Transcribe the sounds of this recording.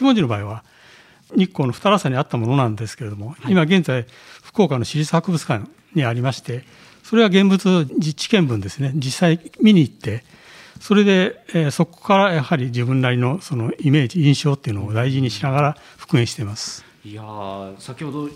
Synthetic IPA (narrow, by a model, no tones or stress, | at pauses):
kʲimod͡ʑʑino̞baːiβa | ɲ̟ikːo̞ːno̞ɸɯ̟̥t̪aɾasaɲ̟iat̪ːamo̞no̞nãnd̪e̞sɨ̥ke̞ɾe̞d̪o̞mo̞imaɡẽ̞nzai | ɸɯ̥ko̞ːkanːoɕiɾʲit͡sɨ̥hakɯ̟bɯt͡sɨ̥kã | ɲiaɾʲimaɕi̥t̪e̞ | so̞ɾe̞βaɡẽ̞mbɯt͡sɨd͡ʑit͡ɕi̥kẽ̞mbɯ̟̃nd̪e̞sɨne̞d͡ʑisːaimʲiɲ̟iːt̪ːe̞ | so̞ɾe̞d̪e̞so̞ko̥kaɾajahaɾʲid͡ʑibɯ̟̃nːaɾʲino̞so̞no̞ime̞ːd͡ʑiĩɰ̃ɕo̞ːt̪ːeiɯ̟noːd̪aiʑiɲ̟iɕinaɡaɾa | ɸɯ̟̥kɯ̟ẽ̞ɰ̃ɕi̥t̪e̞masɨ̥ | asakʲihod̪o